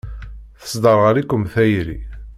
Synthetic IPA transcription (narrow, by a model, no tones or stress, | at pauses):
θə̥sd̪ɑɾʁəɾikːəmθæjɾḭ